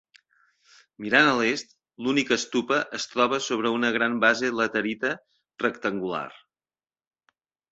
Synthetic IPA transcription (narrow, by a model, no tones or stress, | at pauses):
miɾanəlest̪̚ | lunikəst̪upəʔəst̪ɾɔβ̞əsoβ̞ɾəunəɣ̞ɾambazelət̪əɾit̪ə | rəkt̪əŋɡula̰r